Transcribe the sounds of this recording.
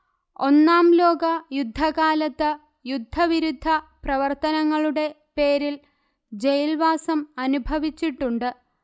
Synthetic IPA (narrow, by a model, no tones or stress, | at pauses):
o̞nːaːmlo̞ːɡɐjud̪ʱːɐɣaːlɐt̪ːɨ | jud̪ʱːɐʋiɾud̪ʱːɐprɐʋɐrt̪ɐnɐŋːɐɭuɽe̞ | pe̞ːɾil | d͡ʑejlʋaːsɐmɐnubʱɐʋit͡ɕːiʈːuɳɖɨ